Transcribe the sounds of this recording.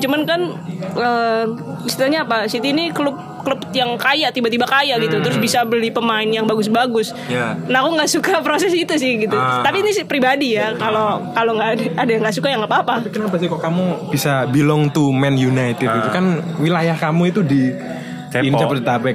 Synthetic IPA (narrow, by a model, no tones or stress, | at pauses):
t͡ʃumankanʔə | ist̪itaɲaːpasit̪iːnikəlʊp̚ | klʊpjaŋkajat̪ibat̪ibakajaʔɡit̪ut̪əɾʊs̬bisabəlipəmaɪnjaŋbaɡʊs̬baɡʊs | janakuŋɡaʔsukapɾosɛsit̪usɪhɡit̪ut̪apiːnisɪpɾibadijakalokaloŋɡadaːdajaŋɡaʔsukajaŋapaːpapikənapasikɔkamub̥isabilɔŋt̪umɛnjunajt̪ɪd̪iukanwilajahkamuit̪udi | int͡ʃapət̪ət̪abɛ